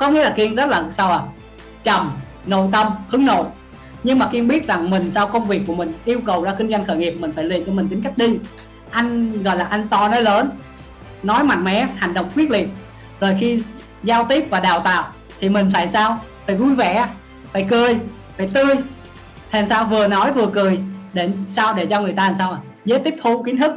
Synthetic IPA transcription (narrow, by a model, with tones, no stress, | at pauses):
kɔ˨˦ŋḭ˧˥laː˨˩ki˧ənzə˦˥t̚laː˨˩˨saː˧waː˨˩ | t͡ɕə˨˩m | no̰˧˨t̪ə˧mhɨ˨˦əŋno̰˧˨ | ɲɨ˧ŋmaː˨˩ki˧əɓi˦˥ət̚za˨˩ŋmï˨˩ŋ̟saː˧wkə˧wŋ͡mvi˨˩əkːu˧˩əmï˨˩ŋ̟ʔi˧əwkə˨˩wzaː˧˩kï˧ŋza˧jŋ̟xəː˧˩jŋi˨˩p̚mï˨˩ŋ̟faː˧˩jlḭ˨˩ənt͡ɕɔ˧mï˨˩t̪i˨˦ŋka˦˥k̟̚ɗi˧ | ʔa˧jŋ̟ɣɔ̰˧˨jlaː˨˩ʔa˧jŋ̟t̪ɔ˧nɔ˨˦jləː˨˦n | nɔ˨˦jma̰˧˨jŋmɛ˨˦ha˨˩ŋ̟ɗə̰˧˨wŋ͡mkwi˦˥t̚lḭ˨˩əp̚ | zo˨˩jxi˧ | zaː˧wt̪i˦˥əp̚vaː˨˩ɗaː˨˩wt̪a̰ː˧˨w | t̪ʰi˨˩mï˨˩ŋ̟faː˧˨jsaː˧wfaː˧˩jɣu˧jvɛ̰˧˩ | faː˧˩jkɨ˨˩əj | faː˧˩jt̪ɨ˧j | t̪ʰi˨˩a˨˩nsaː˧wvɨ˨˩ənɔ˨˦jvɨ˨˩əkɨ˨˩əjɗe˧˩saː˧wɗe˧˩t͡ɕɔ˧ŋɨ˨˩əjt̪aː˧aː˨˩saː˧wʔa˨˩ | zəː˨˦jt̪i˦˥əp̚t̪ʰu˧ki˨˦nt̪ɨ˦˥k̚